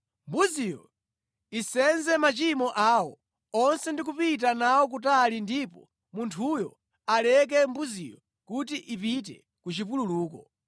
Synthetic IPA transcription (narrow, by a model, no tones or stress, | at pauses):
mbuzijɔ̰ | isɛnzɛmat͡ʃimɔʔaːwɔ | ɔnsɛndik̬upit̬anawɔk̬utalindipɔ | muntʰujɔ̰ | alɛk̬ɛmbuzḭjɔ | kut̬iʔipit̬ɛ̰ | kut͡ʃip̬ululuːkɔ